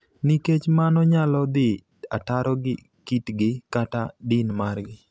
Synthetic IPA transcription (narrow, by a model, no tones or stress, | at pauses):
niket͡ʃmanɔɲalɔd̪ɪ | ataɾɔɡɪ | kitɡɪkatadinmarɡɪ